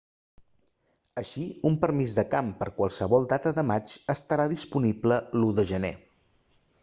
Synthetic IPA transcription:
əʃiumpəɾmizðəkampəɾkwəlˠsəβɔlˠd̪at̪əðəmat͡ʃəst̪əɾaðispunibləluðəʒənḛ

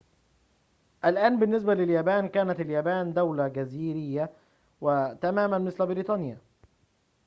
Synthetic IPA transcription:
ʔælʔæːnbɪnːɪs̬bælɪljæːbæːnkæːnæt̪ɪljæːbæːnd̪æwlaɡæziːɾɪjːæ | wɪt̪æmæːmænmɪslbɪɾiːt̪ˤɑːnja

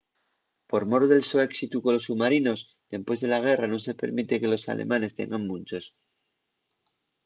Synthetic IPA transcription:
po̞ɾmo̞ɾoðe̞lsoeksit̪ukolo̞sːumaɾino̞s | d̪̥e̞mpwe̞zðe̞laɣ̞e̞rano̞se̞pe̞̰ɾmit̪e̞ke̞lo̞sa̰lḛmãne̞st̪e̞̰ŋɡammũnʲt͡ʃo̞s

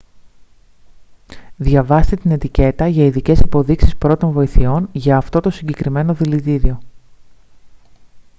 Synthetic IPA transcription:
ðʝɐvɐst̪et̪ine̞t̪ice̞t̪ɐʝɐiðice̞sipo̞ðiksi̥spɾo̞t̪o̞ɱvo̞iθio̞nʝɐːft̪o̞t̪o̞siɲɟe̞kɾime̞no̞ðilit̪iðio̞

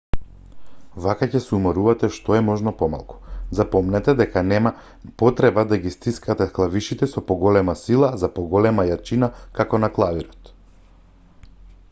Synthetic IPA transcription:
vakacɛsɛumaɾuvat̪ɛʃt̪ɔɛmɔʒnɔpɔma̰lˠku̥zapɔmnɛt̪ɛd̪ɛkanɛma | pɔt̪ɾɛbad̪aɡist̪iskat̪ɛklˠaviʃit̪ɛsɔpɔɡɔlɛmasilˠazapɔɡɔlɛmajat͡ʃinakakɔnaklˠaviɾɔt̪

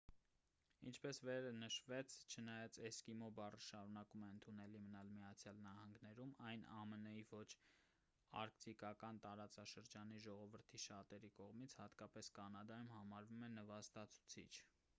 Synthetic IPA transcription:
int͡ʃʰpɛsvɛɾənəʃvɛt͡sʰt͡ʃʰənɑjɑt͡sɛskimɔbɑrəʃɑɾunɑkumɛənt̪ʰunɛlimənɑlmijɑt͡sʰjɑlnɑhɑŋɡnɛɾumɑjnɑmənəivɔt͡ʃʰ | ɑ̰ɾkt̪ikɑkɑnt̪ɑɾɑt͡sɑʃəɾd͡ʒɑniʒɔʁɔvəɾt̪ʰiʃɑt̪ɛɾikɔʁmit͡sʰhɑt̪kɑpɛskɑnɑd̪ɑjumhɑmɑɾvumɛnəvɑst̪ɑt͡sʰu̥t͡sʰḭt͡ʃʰ

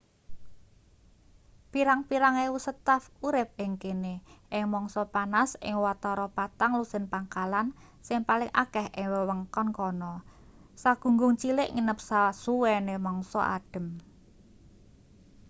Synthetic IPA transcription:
piɾaŋpiɾaŋewusət̪afuɾɪp̚ɪŋkeneʔɪŋmɔŋsɔpanasɪ̰ŋwat̪ɔɾɔpat̪aŋlusənpaŋkalan | sɪŋpalɪŋʔa̰kɛheŋwɛwəŋkɔnkɔnɔ | saɡ̥ṳŋɡʊŋt͡ʃilɪʔŋinəp̚sasuwɛnemɔŋsɔ̰ʔa̰ɖ̥ə̤m

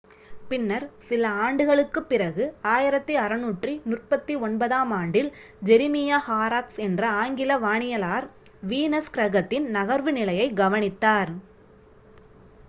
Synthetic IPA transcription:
pɪnːɐɾsɪlɐaːɳɖɯɣɐɭɯkːɯpːɪrɐɣɯaːjɪɾɐt̪ːiɐɾɐnuːʈrinʊrpɐt̪ːiɔnbɐðaːmaːɳɖɪl | d͡ʒɛɾɪmɪjaːhaːɾaːksɛndrɐaːŋɡɪlɐʋaːɳɪjɐlaːɾ | ʋiːnɐskɾɐɣɐt̪ːɪnnɐɣɐɾʋɯnɪlɐjɐɪɡɐʋɐnɪt̪ːaːɾ

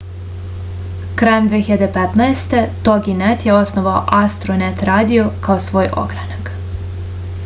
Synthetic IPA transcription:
kɾajemd̪ʋeçiʎad̪epet̪naest̪e̞t̪oɡinet̪jeo̞snoʋao̰ʔast̪ɾonet̪ɾaːd̪iokaosʋo̞ːjʔo̞̰ɡɾanak

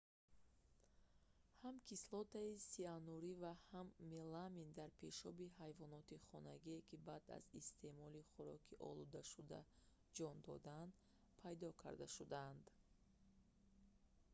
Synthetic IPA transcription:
hamkʰislɔt̪aisianuɾivahamːelamind̪aɾpʰe̞ʃɔbihajvɔnɔt̪iχɔnaɡiekʰibad̪a̰zist̪e̞mɔliχuɾɔkʰiʔɔ̰lud̪aʃud̪a̰ | d͡ʒɔnd̪ɔ̰d̪and̪ | pʰajd̪ɔkʰa̰ɾd̪aʃud̪and̪

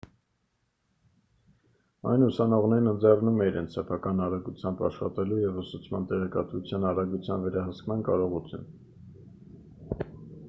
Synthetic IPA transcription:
ɑjnusɑnɔʁnɛɾnənd͡zɛrnumɛiɾɛ̰nt͡sʰsɛpʰɑkɑnɑɾɑɡut͡sʰjɑmbɑ̰ʃχɑ̰t̪ɛlujɛvəsut͡sʰmɑnt̪ɛʁɛkɑt̪vut͡sʰjɑnɑɾɑɡut͡sʰjɑnvɛɾɑɦəskmɑnkɑɾɔʁut͡sʰjṵn

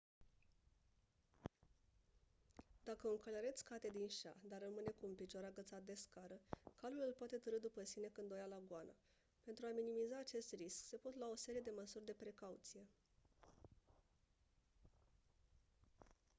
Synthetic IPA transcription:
d̪akəɨŋkəleɾet̪sʲkat̪e̞d̪inʃad̪arːəmɨne̞kuːmpit͡ʃoaɾaɡət̪sat̪̚d̪e̞skaɾəkalulɨlpoat̪e̞t̪əɾɨd̪upəsine̞kɨnd̪ojalaɡʊana | pe̞nt̪ɾuaminimizaːt͡ʃe̞st̪riskse̞po̞t̪lao̞se̞ɾije̞d̪e̞məsurʲd̪e̞pɾe̞kaut̪sije̞

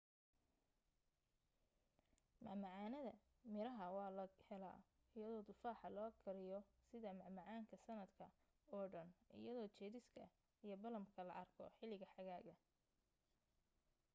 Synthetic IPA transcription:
mɑʕmɑʕaːnɐðɐ | mɪɾɐɦɐwɑːlɐhɛla̰ː | ɪjɐðɔːd̪ʊfaːħɑlɔːkʰɐɾɪjɔsɪðɐmɑʕmɑʕaːŋkʰɐsɐnɐd̪kʰɐ | ɔːɖɐnʔɪ̰jɐðɔːt͡ʃɛːðɪskʰɐ | ijɞbɐlɐmkʰɐlɐ̰ʔɐrkʰɔ̰ħɪlɪɣɐħɑɣaːɣɐ

